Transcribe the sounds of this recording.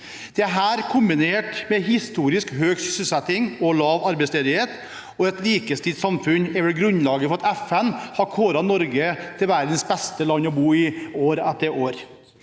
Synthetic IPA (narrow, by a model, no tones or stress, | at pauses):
d̪̥ɛæɦæːɾkʰʊmbɪneːʈmɛɦɪst̪uːɾɪskhøːɡsʏsɪsɛt̪ːɪŋɔlɑːʋɑɾbɛɪst̪eːd̪ɪheːt̪ | ɔɛt̪liːkəst̪ʰiːd̪sɑmfʉnɛɾʋɛlɡɾʉnlɑːɡəfɔɾɑt̪æfɛnhɑɾkʰoːɾɑnːɔɾɡət̪ʰɪlʋæɾd̪n̩sbɛst̪əlɑnːɔbuːɪoːɾɛt̪ːəɾʔoːɾ